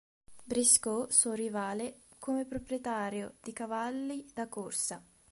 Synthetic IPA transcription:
bɾiskosɔrivaːlekomepɾopɾjet̪aːɾjod̪̥ikavalːid̪akorsa

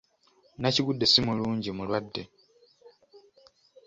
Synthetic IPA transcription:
naciɡudːe̞simuluːɲɟimulwadːe̞

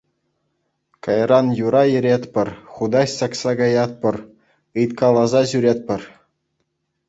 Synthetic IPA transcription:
kɑjrɑnjuɾɑjɘ̆ɾʲet̪ʲpʲɘ̆rχud̪ɑɕsɑksɑɡɑjɑt̪̚pʲɤ̆r | ɯjt̪kɑlˠɑzɑʑyɾʲet̪̚ʲpʲɘ̆r

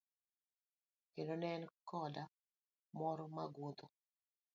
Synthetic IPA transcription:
kendonɛnkɔda | mɔɾɔmaɡot̪o

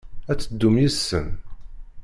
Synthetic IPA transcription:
æt͡sːəd̪ːumjisːə̰n

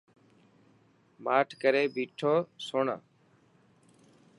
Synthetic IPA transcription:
maːʈʰkəɾeːbiːʈʰoːsʊɳ̰

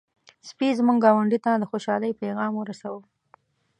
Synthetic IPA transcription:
spizmuŋɡɡɑwaɳɖit̪ad̪əxoʃɑləjpeɣɑmwəɾasawə

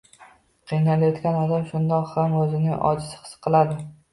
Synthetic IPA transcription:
qʰɨjnalajɒt̪kʲanɒd̪amʃʊnd̪ɒqhamɵzɪnɪŋɒ̰d͡ʒɪsɪ̥hɨ̥sqʰɨlˠad̪ɪ

